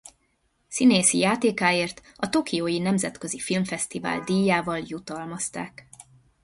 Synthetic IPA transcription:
sineːsijaːt̪eːkaːeːrt̪ɒt̪o̞kijoːjinɛmzɛt̪kø̞zifilmfɛst̪iva̰ːld̪iːjːaːvɒljut̪ɒlmɒst̪a̰ːk

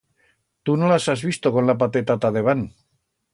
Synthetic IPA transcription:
t̪unolasazβ̞ist̪o̞ko̞nlap̬at̪et̪at̪aðe̞βan

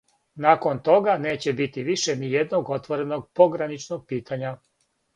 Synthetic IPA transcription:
naːko̞nt̪o̞ɡane̞ːt͡ɕebit̪iʋiʃenijed̪noɡo̞t̪ʋo̞ɾe̞no̞ɡ̚po̞ɡɾanit͡ʃnoɡ̚piːt̪ʰaɲa

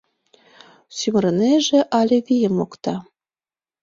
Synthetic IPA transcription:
symrə̆neʒĕʔɑlʲeɣʲijəmokt̪ɑ

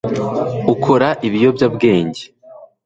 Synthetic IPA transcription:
ukʰo̞ɾaʔiβijo̞bjabɡe̞ːɲɟe

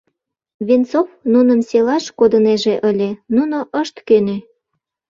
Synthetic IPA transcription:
βint͡sofnunəmselɑʃkod̪əneʒeʔəlʲenunoʔəʃt̪køne

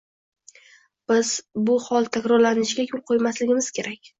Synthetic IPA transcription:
b̥ɪzbʊhɒlˠt̪ʰakʲɾɒɾlanɪʃɪɡʲakʲʰʊlˠqʰojmaslɪɡʲɪmɪz̥kʲʰe̞ɾakʲ

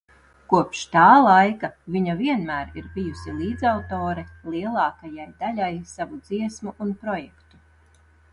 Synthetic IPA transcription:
kuɔpʃt̪aːlˠajkaviɲaviɛnmæːɾiɾbijusilˠiːd̪zawt̪oːɾɛlˠiɛlˠɑːkajajd̪alajsavud̪z̥iɛsmuʔunpɾɔjɛkt̪u

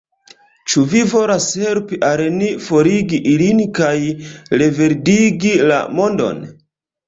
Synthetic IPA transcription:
t͡ʃuvivo̞lashe̞lpiʔalnifo̞ɾiɡiʔilinkajɾe̞ve̞ɾdiɡila̰mo̞ndo̞̰n

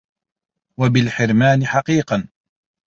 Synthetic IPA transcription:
wabɪlħɪɾmaːnɪħɑqiːqɑn

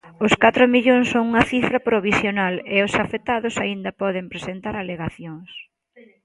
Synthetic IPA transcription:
ʊskat̪ɾomiʎoŋsːoŋuŋɐθifɾɐpɾoβ̞isjonaleosafet̪aðʊsaind̪ɐpɔðempɾesent̪aɾaleɣaθjoŋs

